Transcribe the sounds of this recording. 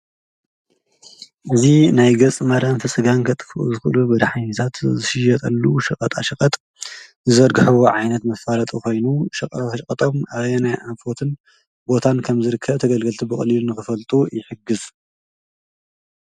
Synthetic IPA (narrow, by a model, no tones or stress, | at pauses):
ʔɨzinajɡɐt͡sʼmɐɾɐnfɨsʼɨɡankʰɐt̪ʼɨfuʔṵzɨxɨʔlubɨd̪ħaɲɐt̪ʰat̪zɨʃɪjɐt̪ʼɐlːuʃɐkʼɐt̪ʼaʃɐkʼɐt̪ʼ | zɨzɐɾɡɨħɨwoʕajnɐt̪mɐfalɐt̪ʼuko̞jnuʃɐkʼɐt̪ʼaʃkʼɐt̪ʼo̞mʔaβenajʔafo̞t̪ʰɨn | bo̞t̪ʰankʰɐmzɨɾɨkʰːɐβt̪ʰɐɡɐlɡɐlt̪ʰibɨχʼɐlilunɨxɨfɐlt̪ʼujɪħɨɡɨz